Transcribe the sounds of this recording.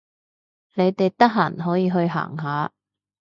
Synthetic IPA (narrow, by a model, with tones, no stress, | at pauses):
le˨˧jt̪e˨jt̪ɐ˥k̚ɦa̰ː˨˩nɦɔː˨˥jiː˨˧ɦɵ˧ɥɦa̰ː˨˩ŋɦaː˨˧